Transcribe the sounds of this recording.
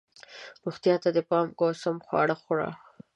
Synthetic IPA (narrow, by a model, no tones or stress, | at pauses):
ɾuxt̪jɑt̪ad̪əpɑmɡosamxwɑ̰ɽaxʊɽɑ̰